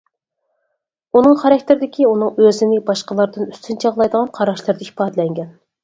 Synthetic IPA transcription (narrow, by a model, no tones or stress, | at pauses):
unɨŋχɑɾɑk̚ʲt̪ɪɾɪd̪ɪkʲʰiunɨŋøzɪnɪbɑʃqəlˠɑɾd̪ɨnyst̪ʰynt͡ʃʰəʁlˠɑjd̪əʁɑnqʰɑɾɑʃlˠɨɾd̪ɑipɑːd̪ɨlɛŋɡʲɛn